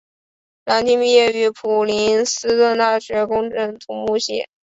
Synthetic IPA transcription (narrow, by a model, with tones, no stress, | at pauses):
la˧˥nt̪i˥npi˥˧jɛ˥˩y˧˥pʰu˨˩li˧˥nsɹ̩˥t̪wə˥˧nt̪a˥˩ɕɥɛ˧˥kʊ˥ŋʈ͡ʂə˥˩nt̪ʰʊ˧˥ŋmu˥˧ɕjɛ̰˥˨˩